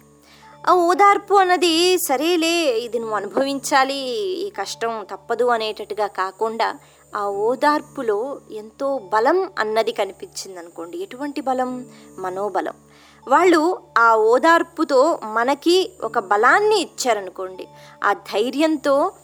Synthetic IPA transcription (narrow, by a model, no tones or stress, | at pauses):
aːɔːd̪aːɾpuɐnːɐd̪isɐɾe̞ːle̞ːid̪inuɐnubʱɐʋiɲt͡ʃaːliːkɐʂʈɐmt̪ɐpːɐd̪uɐneːʈɐʈːuɡaːkaːkuɳɖaː | aːɔːd̪aːɾpuloːe̞nt̪o̞ːbɐlɐmɐ̰nːɐd̪ikɐnipiɲt͡ʃind̪ɐnuko̞ːɳɖieʈuʋɐɳʈibɐlɐmː | ɐno̞ːbɐlɐ̰m | ʋaːɭːuaːɔːd̪aːɾput̪o̞ːmɐnɐkiʔɔ̰kɐbɐlaːnːiːt͡ʃːaːɾɐnuko̞ːɳɖḭ | a̰ːd̪ʱɐjɾjɐnt̪o̞ː